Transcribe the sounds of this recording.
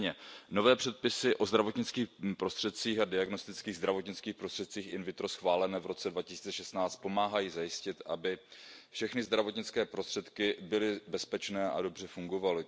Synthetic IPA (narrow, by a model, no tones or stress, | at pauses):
ɲɛno̞vɛːpr̥ɛt̪̚pɪsɪʔo̞zd̪ɾavo̞t̪ɲɪt͡skiːxpɾo̞st̪r̥ɛt̪̚t͡siːxadɪaɡno̞st̪ɪt͡skiːɣzd̪ɾavo̞t̪ɲɪt͡skiːxpɾost̪r̥ɛt̪t͡siːxɪnvɪt̪ɾo̞sxvaːlɛnɛːvɾo̞t͡sɛdvacɪsiːt͡sɛʃɛst̪naːt͡st̪̚po̞maːɦajiːzajɪscɪt̪abɪfʃɛxnɪzd̪ɾavo̞t̪ɲɪt͡skɛːpɾost̪r̥ɛt̪kɪbɪlɪbɛspɛt͡ʃnɛːʔa̰do̞br̝ɛfuŋɡo̞valɪ